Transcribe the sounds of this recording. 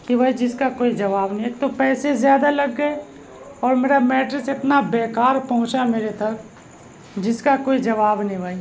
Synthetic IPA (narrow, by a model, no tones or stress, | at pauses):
kibʱaid͡ʒɪskakoːid͡ʒɐʋaːbnɐɦĩeːk̚t̪opɛːsezjaːd̪alɐɡːəe | ɔːɾmeːɾamɛːʈɾɪsɪt̪nabeːkaːɾpɐɦʊ̃t͡ʃameːɾet̪ɐk̚ | d͡ʒɪskakoːid͡ʒɐʋaːbnĩbʱaːi